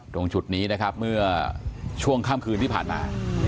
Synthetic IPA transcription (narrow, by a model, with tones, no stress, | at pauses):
do˧ŋt͡ɕu˨˩t̪̚niː˦˥na˦˥kʰa˦˥p̚mɯ˥˩ɐt͡ɕʰu˥˩əŋkʰaː˥˩mkʰɯː˧nt̪i˥˩pʰa̰ː˨˩nma̰ː˧